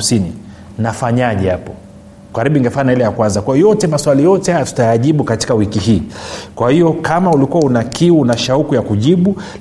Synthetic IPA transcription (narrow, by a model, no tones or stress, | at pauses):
sini | nafaɲaʄɛhapɔ | kaɾiɓuiŋɡɛfaɲailɛjakwanzakwajɔjɔtɛmaswalijɔtɛhajatu̥tajaʄiɓukati̥kawikiɦiːkwahijɔkamaulikuwaunakiwunaʃaukujakuʄiɓu